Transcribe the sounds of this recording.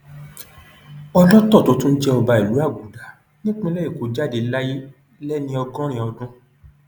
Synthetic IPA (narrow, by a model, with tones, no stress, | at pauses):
ɔ˧lɔ˦tɔ˦˨to˨˦tũ˦n̩˦d͡ʒɛ˧ɔ˧ba˧i˨lu˨˦a˦˨ɡũ˨da˨˦ | nĩ˦k͡pĩ˦lɛ˦e˦˨ko˨˦d͡ʒa˦de˧˦la˦ji˦ | lɛ˦nĩ˧ɔ˧ɡɔ̃˦ɾ̃ĩ˧ɔ˧dũ˦